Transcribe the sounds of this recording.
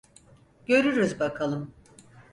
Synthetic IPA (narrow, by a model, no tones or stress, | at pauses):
ɟ̥ø̞ɾyɾyzbakʰalˠɯm